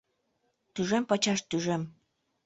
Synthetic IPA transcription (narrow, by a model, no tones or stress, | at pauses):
t̪yʒempɑt͡ɕɑʃt̪yʒem